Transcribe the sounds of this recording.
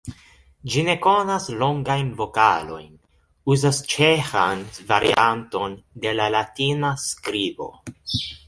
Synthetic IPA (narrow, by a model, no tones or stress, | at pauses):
d͡ʒine̞ko̞naslo̞ŋɡajnvo̞ka̰lo̞̰jn | uzast͡ʃe̞xa̰nva̰ɾʔḭʔanto̞nde̞lalatinaskɾibo̞̰